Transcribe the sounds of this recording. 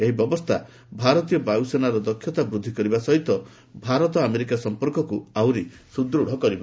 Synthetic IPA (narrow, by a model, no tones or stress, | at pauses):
eɦibjɔbɔst̪ʰa | bʱaɾɔt̪ijɔbajusenaɾɔd̪ɔkʰːjɔt̪abɾud̪ʱːikɔɾibasɔɦit̪ɔ | bʱaɾɔt̪ɔameɾikasɔmpɔɾkɔkuawɾi | sud̪ɾuɽ̤ɔkɔɾiba